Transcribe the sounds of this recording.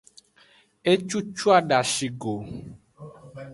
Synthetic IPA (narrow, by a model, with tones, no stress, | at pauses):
e˦t͡ʃu˦t͡ʃu˦a˦ɖa˨ʃi˨ɡo˨